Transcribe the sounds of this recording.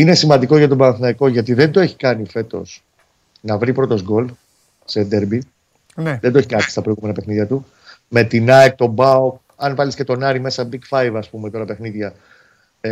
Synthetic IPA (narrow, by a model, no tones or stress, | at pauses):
ine̞simɐnd̪iko̞ʝɐt̪obɐnɐθinɐiko̞ʝɐt̪̬iðe̞nd̪o̞e̞çi̥kɐnife̞t̪o̞̰s | nɐvɾipɾo̞t̪o̞zɡo̞l | sed̪eɾbi | nðend̪oeçikɐnist̪ɐpɾoiɣume̞nɐpe̞xniðʝɐt̪u | me̞t̪inɐek̚t̪o̞bɐuk | ɐnvɐlisce̞t̪o̞nɐɾime̞sɐbikfɐjvɐspume̞t̪o̞ɾɐpe̞xniðʝɐ